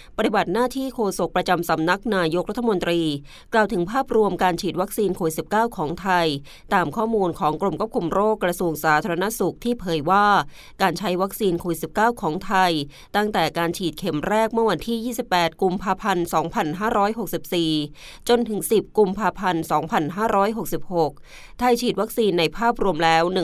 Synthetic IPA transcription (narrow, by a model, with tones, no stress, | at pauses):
pa˧t̪i˨ba˨˩t̪̚naː˥˩t̪ʰiː˥˩kʰoː˧so˨˩k̚pɾa˧t͡ɕa˧msa˩˦mna˦˥k̚naː˧jo˦˥k̚ɾa˦˥t̪ʰːmo˧nt̪ɾiː˧ | klaː˨˩wt̪ʰɯ˩˦ŋpʰaː˥˩p̚ɾu˧əmkaː˧nt͡ɕʰiː˨˩t̪̚wa˦˥k̚siː˧nkʰoː˧wi˨˩t̪si˨˩p̚kaː˥˩wkʰɔː˩˦ŋt̪ʰa˧j | t̪aː˧mkʰɔː˥˩muː˧nkʰɔː˩˦ŋkɾo˧mkʰu˥˩p̚kʰu˧mɾoː˥˩kːɾa˧su˧əŋsaː˩˦t̪ʰaː˧ɾa˧na˦˥su˨˩k̚t̪ʰiː˥˩pʰɤː˩˦jwaː˥˩ | kaː˧nt͡ɕʰa˦˥jwa˦˥k̚siː˧nkʰoː˧i˨˩t̪̚si˨˩p̚kaː˥˩wkʰɔː˩˦ŋt̪ʰa˧j | t̪a˥˩ŋt̪ɛː˨˩kaː˧nt͡ɕʰiː˨˩t̪̚kʰe˩˦mɾɛː˥˩k̚mɯ˥˩əwa˧nt̪ʰiː˥˩jiː˥˩si˨˩p̚pɛː˨˩t̪̚ku˧mpʰaː˧pʰa˧nsɔː˩˦ŋpʰa˧nɦaː˥˩ɾɔː˦˥jɦo˨˩k̚si˨˩p̚siː˨˩ | t͡ɕo˧nt̪ʰɯ˩˦ŋsi˨˩p̚ku˧mpʰaː˧pʰa˧nsɔː˩˦ŋpʰa˧nɦaː˥˩ɾɔː˦˥jɦo˨˩k̚si˨˩p̚ho˨˩k̚ | t̪ʰa˧jt͡ɕʰiː˨˩t̪̚wa˦˥k̚siː˧nːa˧jpʰaː˥˩p̚ɾu˧əmlɛː˦˥wnɯ˨˩